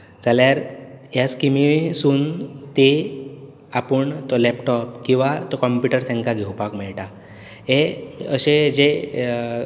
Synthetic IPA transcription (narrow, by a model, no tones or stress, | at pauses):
t͡saljaɾɦjaskimisuːnt̪e | apəɳt̪ɔlɛpʈɔp̚kĩw̃ʋat̪ɔkɔmpjuʈəɾt̪ãŋkaɡʱewpakmɛɭʈa | ɦeəɕed͡ʑe